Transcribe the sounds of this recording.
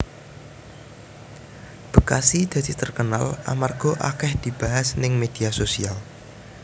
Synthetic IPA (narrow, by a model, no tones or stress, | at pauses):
b̥əkasid̪̥ä̤d̪̥it̪ərkənala̰marɡ̥ɔ̤ʔa̰kɛhd̪̥i̤b̥aɦasnɪŋmed̪̥iasosḭal